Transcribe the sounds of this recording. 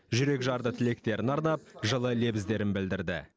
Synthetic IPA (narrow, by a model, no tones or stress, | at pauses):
ʒʏɾe̞kʒɑɾd̪ət̪ʰɪle̞k̚t̪e̞ɾɪnɑɾnɑp̚ʒəlˠəle̞bɪzd̪e̞ɾɪnbɪld̪ɪɾd̪ɪ̰